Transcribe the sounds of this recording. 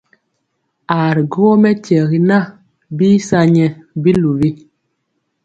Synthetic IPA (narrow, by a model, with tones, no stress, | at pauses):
a˨ɾi˨ɡo˦ɔ˦mɛ˦tɛ˨ɣi˨na˦˨ | bi˦sa˦ɲɛ˨bi˦lu˨vi˦